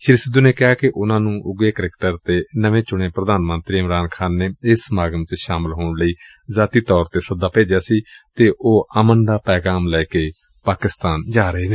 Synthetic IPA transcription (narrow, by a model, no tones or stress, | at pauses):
ʃɪɾisɪd̪ːuːneːkɪɦaːkɪʔʊnãːnũːʔʊɡeːkəɾekʈəɾt̪eːnəʋẽːt͡ʃʊɽ̃eːpɾəd̪aːnmə̃nt̪ɾiːɪmɾaːnkʰaːnːeːɪsmaːɡəmt͡ʃʃaːmɪlɦoːɳləiː | zaːt̪iːt̪ɔːɾt̪eːsəd̪aːpeːd͡ʒjaːsiːt̪eːʔoːʔəmənd̪aːpɛːɡaːmlɛːkeː | paːkɪst̪aːnd͡ʒaːɾəeːd̪e